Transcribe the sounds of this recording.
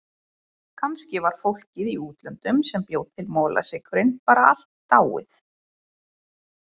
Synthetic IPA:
kʰanscɪvaɾ̥fowl̥cɪðiuːt̪lœnt̪ʏmsɛmpjowt̪t̪ʰːɪlmɔːla̰sɪkʰvʏɾɪnpaːɾaal̥t̪ːaːwɪ̰θ

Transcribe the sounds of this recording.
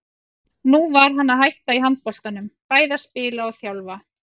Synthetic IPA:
nuvaɾ̥ɦanːaɦajht̪aiɦant̪̚pɔl̥k̪anʏmpaːjðaspɪːlaɔɣθjawlva

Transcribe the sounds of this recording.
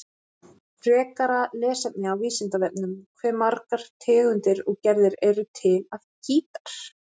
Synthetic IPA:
pʰrɛːkaɾalɛːsɛp̪̚nɪawviːsɪnt̪avɛp̚nʏmkʰvɛːɾmaɾkaɾ̥t̪ʰɪːɣʏnt̪ɪɾɔɣcɛɾðɪɾɛɾʏt̪ʰɪlaðcʰiːt̪ḁɾ̥

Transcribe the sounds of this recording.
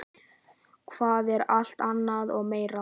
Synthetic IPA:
kʰv̥aːðɛɾal̥t̪anːaðɔɣmeːjɾa

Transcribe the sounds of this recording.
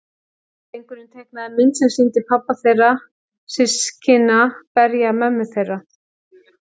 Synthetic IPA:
ejŋkʏɾɪnt̪ʰejknaðɪmɪnt̪sɛmsint̪ɪpʰapːaθejra | sɪscɪnapɛɾjamɛmːʏθejra

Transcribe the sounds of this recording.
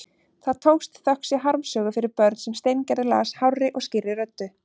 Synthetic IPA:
θaðt̪ʰoːwxst̪θœhksjɛɦaɾmsœːɣʏfɪɾɪɾpœɾt̪n̥sɛmst̪ejncɛɾðɪla̰ːshawrɪʔɔɣscɪrːɪɾœt̪ːʏ

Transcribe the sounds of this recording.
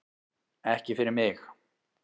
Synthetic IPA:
ɛhcɪfɪɾɪɾmɪx

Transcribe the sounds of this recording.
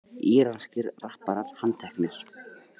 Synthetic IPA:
iːɾanscɪɾrahpaɾahant̪ʰɛhknɪɾ̥

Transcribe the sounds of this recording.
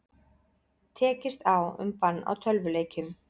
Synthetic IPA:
t̪ʰɛːcɪst̪awʏ̰mpanːa̰wt̪ʰœlvʏleːjcʏm

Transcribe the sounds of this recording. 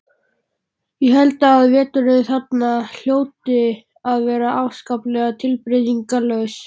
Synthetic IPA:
jɛɦɛlt̪aːðvɛːt̪ʏɾɪnθat̪nal̥joːwt̪ɪ | aðvɛːɾaʔawvskawplɛːɣat̪ʰɪlpɾɪðiŋkalœɥs

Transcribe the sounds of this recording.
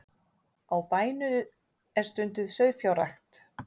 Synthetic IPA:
awpaːjnʏ | ɛɾ̥st̪ʏnt̪ʏðsœɥðfjawɾrajxt̪

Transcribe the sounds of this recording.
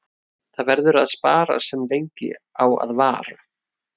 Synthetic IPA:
θaðvɛɾðʏɾaðspaːɾa̰sɛmlejɲcɪ̰awa̰ðvaːɾa

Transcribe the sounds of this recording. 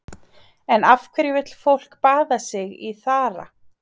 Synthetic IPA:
ɛnafkʰvɪɾɪvɪt̪l̥fowl̥kpaːðasɪɣiθaːɾa̰

